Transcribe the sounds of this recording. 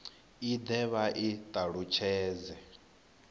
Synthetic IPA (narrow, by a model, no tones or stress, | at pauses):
id̪ɛβaʔit̪ʼaɺut͡ʃʰɛːzɛ